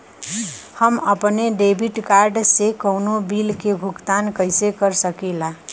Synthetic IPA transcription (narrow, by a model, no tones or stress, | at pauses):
həməpneɖebʱiʈkaɾɖsekəwnobilkebʱukt̪ankəjsekəɾsəkila